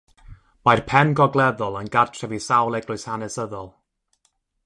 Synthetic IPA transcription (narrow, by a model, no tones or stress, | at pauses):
majrpʰɛnɡɔɡlˠɛðɔlˠənɡatʰrɛvisawlˠɛɡlˠʊɨshanɛsəðɔlˠ